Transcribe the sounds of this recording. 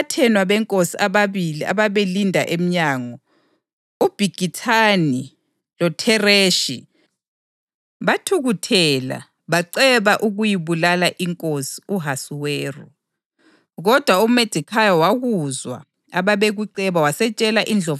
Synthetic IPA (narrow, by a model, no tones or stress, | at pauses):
atʰɛnwaβɛŋkʼosiʔaβaβilia̰βaβelindʱa̰ʔem̩ɲaːŋɔ | ub̥ʱiɡ̥ʱitʰani | lɔtʰɛreːʃḭ | βatʰuɣutʰɛla̰ | βaǀɛβaʔuɣujiβulalaʔiŋkʼosi̥uɦasuweːrɔ | ɣɔd̥ʱwaumed̥ʱikʰajɔwaɣuzwa̰ | aβaβeɣuǀɛβawasɛt͡ʃʼɛlaʔind͡ɮʱɔ